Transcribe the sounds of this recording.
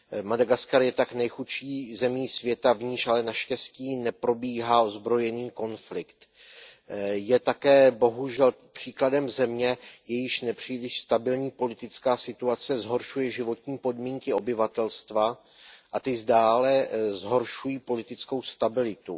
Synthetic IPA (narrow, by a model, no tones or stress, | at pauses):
madaɡaskaɾjɛt̪aknɛjxuʃiːzɛmiːsvjɛt̪avɲɪʃʔalɛnaʃcɛsciːnɛpɾo̞biːɦao̞zbɾo̞jɛniːko̞nflɪkt̪ | jɛt̪akɛːbo̞ɦuʒɛl | pr̝̥iːkladɛmzɛmɲɛjɛjɪʃnɛpr̝̥iːlɪʃst̪abɪlɲiːpo̞lɪt̪ɪt͡skaːsɪt̪uat͡sɛzɦo̞ɾʃujɛʒɪvo̞t̪ɲiːpo̞dmiːŋkɪo̞bɪvat̪ɛlst̪va | ʔat̪ɪzdaːlɛzɦo̞ɾʃujiːpo̞lɪt̪ɪt͡sko̞wst̪abɪlɪt̪u